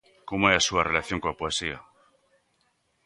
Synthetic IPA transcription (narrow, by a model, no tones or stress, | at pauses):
komoeɾasuare̞laθjo̞ŋkolapoe̞sia